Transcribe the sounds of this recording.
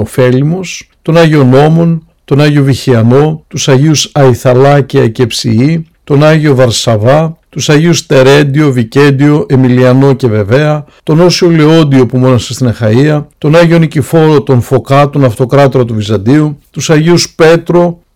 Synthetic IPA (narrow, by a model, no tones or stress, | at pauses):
ofe̞limo̞st̪o̞nɐʝio̞no̞mo̞n | t̪o̞nɐʝio̞viçiɐno̞t̪usɐʝiusɐiθɐlɐceɐcepsḭit̪o̞nɐʝio̞vɐɾsɐvɐt̪usɐʝiust̪e̞ɾe̞nd̪io̞vice̞nd̪io̞ʔemiliɐno̞ce̞ve̞ve̞ɐt̪o̞no̞sio̞leo̞d̪io̞pumo̞nɐsest̪inɐxɐiɐt̪o̞nɐʝio̞nicifo̞ɾo̞t̪o̞nfo̞kɐt̪o̞nɐft̪o̞kɾɐt̪oɾɐt̪uvizɐnd̪iut̪usɐʝiuspe̞t̪ɾo̞